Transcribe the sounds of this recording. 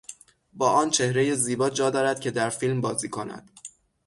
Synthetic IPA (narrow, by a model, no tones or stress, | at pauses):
bɒːʔɒːnt͡ʃʰe̞hɾe̞je̞ziːbɒːd͡ʒɒːd̪ɒːɾæd̪̥̚cʲʰe̞d̪æɾfiːlmbɒːziːkʰo̞næ̰d̪̥